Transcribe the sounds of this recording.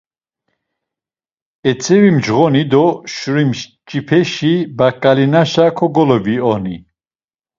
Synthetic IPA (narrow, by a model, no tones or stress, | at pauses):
ɛt͡sʰɛvimd͡ʒʁɔnid̪ɔʃuɾim | t͡ʃʼipʰɛʃibakʼalinaʃakʰɔɡɔlɔbiɔni